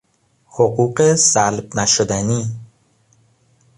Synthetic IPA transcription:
hoɢuːɢesælb̚næʃod̪æni

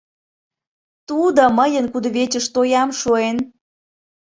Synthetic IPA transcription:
t̪ud̪oməjənkud̪əβet͡ɕəʃt̪ojɑmʃuen

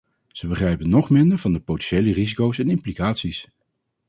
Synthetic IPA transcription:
z̥əbəχrɛjpənːɔχmɪndəɹvɑndəpowtɛnʃejlərizikowsɛnɪmplikaːtsis

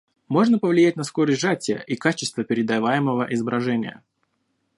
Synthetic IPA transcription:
mo̞ʐnəpəvlʲɪjæt̚ʲnɐskoɾəsʲʐatʲɪjə̰ʔikat͡ɕɪst̪vəpʲɪɾʲɪd̪ɐvajɪməvəʔɪzəbɾɐʐɛnʲɪ̰jə̰

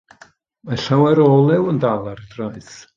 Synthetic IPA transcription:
maɬawɛɾoːlˠɛwəndalˠarədraɨθ

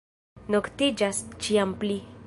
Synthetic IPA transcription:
noktid͡ʒast͡ʃiampli

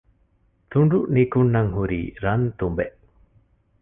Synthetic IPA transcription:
t̪uɳɖuʔnikuɳːaŋɦuɾḭɾant̪umbeʔ

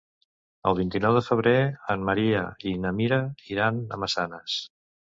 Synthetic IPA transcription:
ə̰lˠβint̪inɔwðəfəβ̞ɾeənməɾiə̰inəmiɾəiɾanə̰məsanəs

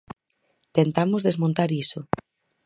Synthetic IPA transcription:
t̪ent̪amʊzðezmõnt̪aɾiso

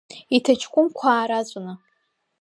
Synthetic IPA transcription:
itʰat͡ʃʰkʷʼʊmkʷʰaːɾat͡ɕʷʼanɨ

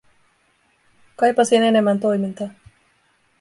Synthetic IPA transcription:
kɑjpɑsine̞ne̞mːænt̪o̞jmint̪ɑ

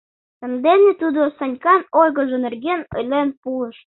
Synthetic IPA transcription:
t̪ə̆md̪enet̪ud̪osɑnʲkɑnojɣə̆ʒonerɣenə̰̆jlʲenpuə̆ʃ

